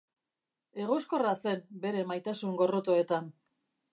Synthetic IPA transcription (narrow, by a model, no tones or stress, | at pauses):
e̞ɣ̞o̞sko̞rase̞mbe̞ɾe̞majt̪asuŋɡo̞rot̪o̞e̞t̪an